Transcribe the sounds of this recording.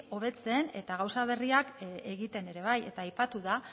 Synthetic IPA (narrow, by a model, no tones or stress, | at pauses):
o̞β̞e̞t͡se̞ne̞̰t̪aɣ̞awsaβ̞e̞riake̞ɣit̪e̞ne̞ɾe̞β̞aje̞̰t̪aːjpat̪uða